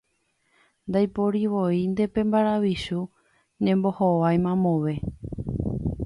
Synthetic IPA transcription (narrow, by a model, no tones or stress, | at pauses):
nd̪ajpoɾiʋoind̪e̞pẽ̞mbaɾaʋiʃu | ɲẽ̞mbo̞hoʋajmãmõʋe̞